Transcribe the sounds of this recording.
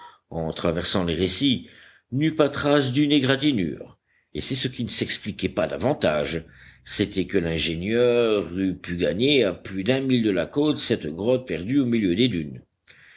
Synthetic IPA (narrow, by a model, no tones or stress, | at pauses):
ɑ̃t̪χavɛʁsɑ̃leʁesi | nypat̪χasd̪yneɡʁat̪iny̰ːʁ | esɛsəkʲinəsɛksplikʲɛpad̪a̰vɑ̃t̪aːʒset̪ɛkəlɛ̃ʒenjœʁypyɡaɲeaplyd̪ɛ̃mild̪əlakot̪sɛt̪ɡʁɔt̪̚pɛʁd̪yomiljød̪ed̪yn